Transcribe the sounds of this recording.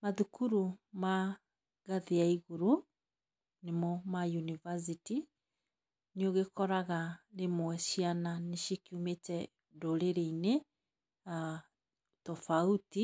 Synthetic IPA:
maðukuɾuma | ɣaðiaiɣuɾu | nemɔmajunivas̬iti | neoɣekɔɾaɣaɾemwɛʃiananeʃikiumetɛ | doɾeɾeine | a | tɔfauti

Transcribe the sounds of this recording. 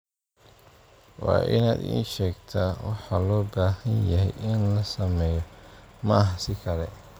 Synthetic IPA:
wɑ̰ːʔɪ̰na̰ːd̪ḭːʃɛːɡt̪ʰawɑħɑlɔːbaːhɐnjɐɦɛjʔɪnlɐsɐmɛːjɔmɐʔːɦsɪkʰɐlɛ̰

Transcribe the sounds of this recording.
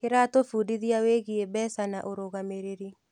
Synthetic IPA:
kɪɾatofudiðjaweɣiebɛsana̰ʔoɾoɣameɾeɾi

